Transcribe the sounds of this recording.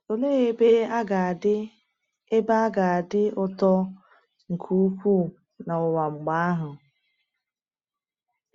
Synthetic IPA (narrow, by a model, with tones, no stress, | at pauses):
o˨le˦e˦be˦a˦ɡa˨dɪ˦ | e˦ba˦a˦ɡa˨a˨dɪ˦ʊ˦tɔ˦ | ŋ̩˨kʰu˦kʷu˦˨ | na˨ʊ˨wa˨ŋ͡m̩˨ɡ͡ba˦a˦ɦʊ˨